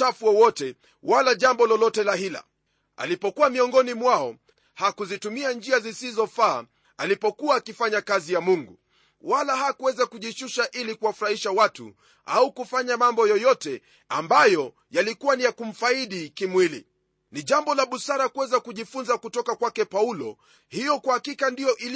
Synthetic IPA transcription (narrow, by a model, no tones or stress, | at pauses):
afuɔwɔtɛ | walaʄambɔlɔlɔtɛlahila̰ | a̰lipɔkuwamiɔŋɡɔnimwaɔ | hakuzitumiand͡ʒiazisizɔfaː | alipɔkuwaːkifaɲakazijamuŋɡu | walahakuwɛzakuʄiʃuʃaʔilikuwafuɾahiʃawatṵ | a̰ukufaɲamambɔjɔjɔtɛ | ambajɔ | jalikuwanijakum̩faiɗikimwilḭ | niʄambɔlaɓusaɾakuwɛzakuʄifunzakutɔkakwakɛpaulɔ̰ | hijɔkwahakikandijɔʔil